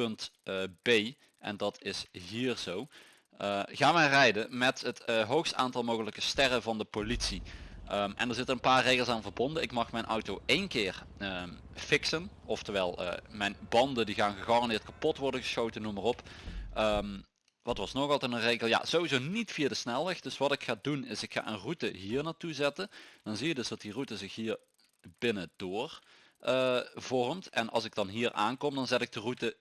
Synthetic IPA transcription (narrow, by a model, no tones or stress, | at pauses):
pɵntːbej | ʔɛ̰ndɑtɪsɦiːrz̥ow | əɣaːnʋərɛjdəmɛtɦətɦowxsta̰ːntɑlˠmowɣələkəstɛrəvɑndəpolitsiəmɛ̰ndəːɹzɪtərənpaːɹrejɣəlˠsaːnvəɹbɔndənɪkmɑxmɛjnʔɔwtowejnkɪːrə | fɪksən | ɔftəʋɛlˠə̰mɛjnbɑndəndiɣaːnɣəxɑrɑndɪːɹt̚kapɔtʋɔrdənɣəsxowtənːumarɔpː | m | ʋɑtʋɑsnoɣɑlˠtɛtənrejɣəlˠja̰z̥owʋizownitfijadəsnɛlˠʋɛxd̥ɵsʋɑtɪkxaːdunɪsɪkxa̰ːʔənrutəɦiːɹnaːɹtuzɛtənd̥ɑnzijədɵzdɑt̚dirutəzɪxɦiːɹ | b̥ɪnədoːr | ʔəvɔrmtɛnʔɑ̰lˠsɪɡ̚dɑnɦiːɹʔa̰ːnkɔmdɑnzɛtɪɡ̚dərutə